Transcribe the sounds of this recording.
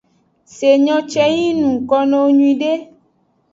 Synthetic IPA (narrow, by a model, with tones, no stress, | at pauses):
se˨ɲɔ̃˦t͡ʃɛ˦ji˦nũ˨kɔ˦nɔ̃˦wo˦ɲũ˦ĩ˨ɖe˦